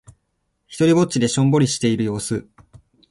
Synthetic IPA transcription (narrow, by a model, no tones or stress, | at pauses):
çi̥t̪o̞ɾʲibo̞t͡ɕːid̪e̞ɕõ̞mbo̞ɾʲiɕi̥t̪e̞iɾɯ̟jo̞ːsɨ